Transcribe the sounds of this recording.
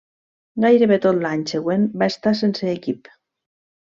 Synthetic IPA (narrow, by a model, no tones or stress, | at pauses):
ɡajɾeβet̪ot̪laɲseɣwembaest̪asenseːkip